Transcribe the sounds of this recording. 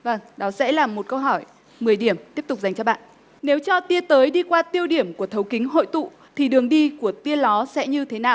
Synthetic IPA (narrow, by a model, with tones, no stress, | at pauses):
və˧˩ŋɗɔ˨˦sɛ̰˧˥laː˨˩mːo˨˩t̚kə˧wɦɔ˧˩j | mɨ˨˩əjɗi˧˩əmt̪i˦˥əp̚t̪ʊ˨˩k͡p̚za˨˩ŋ̟t͡ɕɔ˧ɓa̰ː˧˨nʔ | ne˨˦wt͡ɕɔ˧t̪i˧ət̪əː˨˦jɗi˧kwaː˧t̪i˧əwɗi˧˩əmku˧˩ət̪ʰə˨˦wkï˨˦ŋ̟ɦo̰˧˨jt̪ṵ˧˨ | t̪ʰi˨˩ɗɨ˨˩əŋɗi˧ku˧˩ət̪i˧əlɔ˨˦sɛ̰˧˥ɲɨ˧t̪ʰe˨˦naː˨˩w